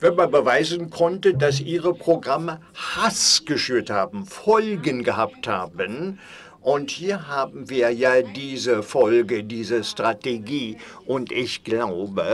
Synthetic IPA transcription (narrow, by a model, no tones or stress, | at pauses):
vɛnmanbəvaɪzənkʰɔntədasʔiːʁəpʁ̥oɡʁamə | hasɡ̥əʃyːɐthaːbm̩fɔlɡənɡəɦapthaːbən | ʔʊnthiːɐɦaːbm̩viːɐjaːdiːzəfɔlɡədiːzəstʁ̥ateɡiː | ʔʊntʔɪçɡ̥laʊbə